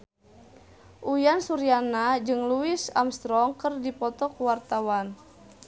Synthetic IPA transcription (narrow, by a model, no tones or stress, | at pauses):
ʔujansuɾianad͡ʒɨŋluɪsa̰mst̪ɾɔŋkɨrdipɔt̪ɔkuwart̪awan